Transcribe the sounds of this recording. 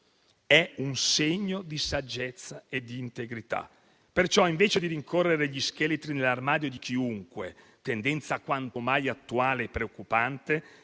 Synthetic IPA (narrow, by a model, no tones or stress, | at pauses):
ɛunseɲːod̪isad͡ʒːet̪sːaed̪iːnt̪eɡɾit̪a̰ | pert͡ʃɔiɱveːt͡ʃed̪iɾiŋkʰorːeɾeʎiskelet̪ɾinelarmaːd̪jod̪ik̟iuŋkwe | t̪end̪ɛnt̪saːkwant̪omajat̪ːuaːleːpːɾeokːupant̪e